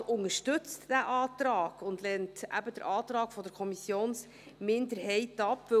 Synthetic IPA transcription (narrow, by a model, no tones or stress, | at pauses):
ʊnəɾʃtʏt͡std̥æʔɑːtɾɑːɡ̥ʊndlɛntæ̰bəd̥əɾʔɑːt̪ɾɑːɡ̥fɔdəɾkʰɔmisjoːns | mɪndəɾɦɛɪtɑpːvɵ